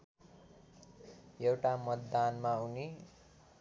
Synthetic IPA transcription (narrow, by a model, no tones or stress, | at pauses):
jewʈamʌt̪d̪anmauni